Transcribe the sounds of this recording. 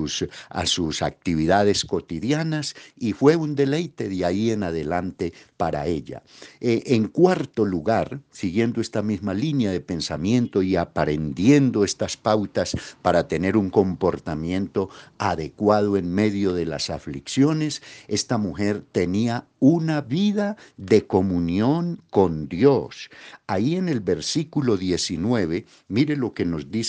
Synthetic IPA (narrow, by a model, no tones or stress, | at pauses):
sa̰susa̰k̚t̪iβ̞iðað̞e̞sko̞t̪iðjanasifwe̞und̪e̞lejt̪e̞ðaie̞naðe̞lant̪e̞paɾa̰e̞ʎa̰eʔeŋkwaɾt̪o̞luɣaɾsiɣje̞nd̪oe̞st̪amizmalinjaðe̞pe̞nsamjẽ̞nt̪o̞iapaɾend̪je̞nd̪o̞e̞st̪aspawt̪aspaɾat̪e̞ne̞ɾuŋko̞mpo̞ɾt̪amjẽ̞nt̪o̞aðe̞kwað̞oe̞ŋme̞ðjo̞ðe̞la̰safliksjo̞ne̞se̞st̪amuxe̞ɾt̪e̞nia | unaβiðaðe̞ko̞munjo̞ŋko̞nd̪josaie̞ne̞lβe̞ɾsikulo̞ðje̞sinwe̞βe̞ | miɾe̞lo̞ke̞no̞zd̪is